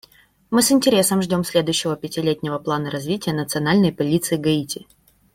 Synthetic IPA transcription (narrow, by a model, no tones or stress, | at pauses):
mɨsɪnʲtʲɪɾʲe̞səmʐdʲo̞msʲlʲe̞d̪ʊjɕːɪvəpʲɪtʲɪlʲetʲnʲɪvəplˠanəɾɐzvʲitʲɪjənət̪sɨɐnalʲnəjpɐlʲit̪sɨɪɡɐitʲɪ